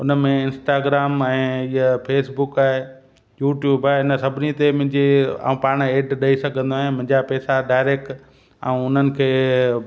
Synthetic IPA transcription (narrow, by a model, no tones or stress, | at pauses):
ʊnəmẽɪ̃nsʈaːɡɾaːmɛ̃ːiɦəpʰeːsbʊkaːɦe | juːʈjuːbaːɦeɪnəsɐbʱɪnit̪emʊ̃ɦɪ̃ɲd͡ʑia̰ːũpaːɽ̃eːɖɗɐisɐɡʱə̃nd̪oaːɦemʊ̃ɦɪ̃ɲd͡ʑapɛːsaɖaːɪɾeːk̚ʈ | ã̰ːũʊn̤ənɪ̆kʰeː